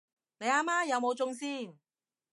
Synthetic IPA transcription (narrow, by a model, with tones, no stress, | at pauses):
ne˨˧jaː˧maː˥jɐ˨˧wmo˨˧wt͡sʊ˧˥ŋsiː˥˩n